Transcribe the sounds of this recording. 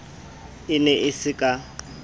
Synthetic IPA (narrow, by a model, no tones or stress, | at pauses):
ɪnɛʔɪsɪkʼa